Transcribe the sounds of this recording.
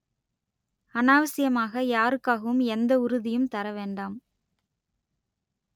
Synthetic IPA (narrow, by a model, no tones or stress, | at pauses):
ɐnaːʋɐsɪjɐmaːɣɐjaːɾɯkːaːɣɐʋɯmɛnd̪ɐʊɾʊðɪjɯmt̪ɐɾɐʋeːɳɖaːm